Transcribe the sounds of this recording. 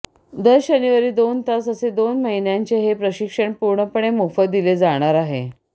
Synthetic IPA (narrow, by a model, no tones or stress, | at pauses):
d̪əɾd͡ʑənuʋaɾiːd̪ont̪asəsed̪onməɦinjaɲt͡ɕeɦepɾəɕikʂəɳpuɾɳəpəɳ̃emufət̪̚d̪iled͡zaɽ̃aɾaɦḛ